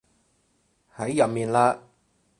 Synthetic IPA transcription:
hɐ˨˥jːɐ˨mmiː˨nlaː˧

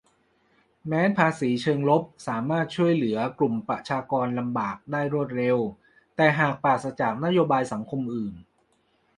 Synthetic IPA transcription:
mɛː˦˥npʰaː˧siː˩˦t͡ɕʰɤː˧ŋlo˦˥p̚saː˩˦maː˥˩t̪̚t͡ɕʰu˥˩əjlɯ˩˦ɐklu˨˩mpɾa˨˩ʔt͡ɕʰaː˧kɔː˧nla˧mbaː˨˩k̚daː˥˩jɾu˥˩t̪̚ɾe˧w | t̪ɛː˨˩ɦaː˨˩k̚paː˨˩t̪̚sa˧t͡ɕaː˨˩k̚na˦˥joː˧baː˧jsa˩˦ŋkʰo˧mʔɯː˨˩n

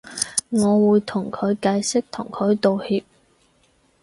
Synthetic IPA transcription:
ŋɔː˨˧wuː˨˧jt̪ʰʊ˨˩ŋkʰɵ˨˧ɥkaː˧jsɪ˥k̚t̪ʰʊ˨˩ŋkʰɵ˨˧ɥt̪o˨whiː˧p̚

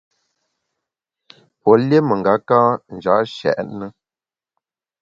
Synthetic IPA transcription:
pɔ˨lje˦mə˨ŋ˨ɡa˨˦kaː˦n̩˨d͡ʒa̰˨˦ʃɛ̰˨ʔnə˦

